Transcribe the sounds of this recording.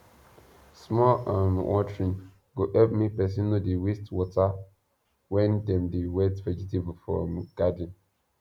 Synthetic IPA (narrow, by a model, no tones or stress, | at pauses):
smɔʔãmwɔ̰tɹĩn | ɡoʔɛpmipɛs̬ĩnudiwistwɔta | wɛ̃ndɛ̃mdiwɛtvɛd͡ʒitivfɹɔ̰mɡ̥ad̃n